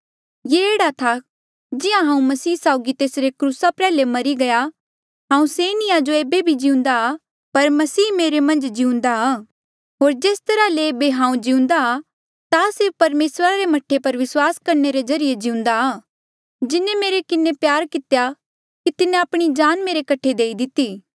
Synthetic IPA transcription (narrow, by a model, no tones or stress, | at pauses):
jeeːɽat̪ʰa | d͡ʒɪjãɦãːũmɐsiːsaːʊɡit̪eːsɾekɾuːsapɾɛːlemɐɾiɡɐja | ɦãːũseːnɪjad͡ʒoeːbebʱid͡ʒiũnd̪a | pɐɾmɐsiːmeːɾemɐ̃nd͡ʒd͡ʒiũnd̪aaː | ɦoːɾd͡ʒeːst̪ɐɾaleːbeɦãːũd͡ʒiũnd̪a | t̪asɪɾfpɐɾmeːsɾaɾemɐʈʰːepɐɾʋɪswaːskɐɾneɾezɐɾijed͡ʒɪʊ̃n̆d̪aː | d͡ʒɪnemeːɾekɪnepjaːɾkɪt̪ja | kit̪ɪnẽapɽ̃id͡ʒaːnmeːɾekɐʈʰed̪eːid̪ɪt̪iː